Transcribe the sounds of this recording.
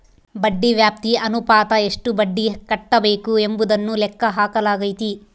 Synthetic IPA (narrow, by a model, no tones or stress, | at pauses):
bɐɖːiʋjaːp̚t̪iɐnupaːt̪ɐe̞ʂʈubɐɖːikɐʈːɐbe̞ːkue̞mbud̪ɐnːulɛkːɐɦaːkɐlaːɡɐjit̪i